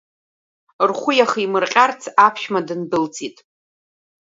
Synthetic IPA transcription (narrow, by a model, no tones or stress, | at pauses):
rχʷʊjaχimɨrqʲʼart͡sʰapʰʃmadɨnbɨlt͡sʼitʼ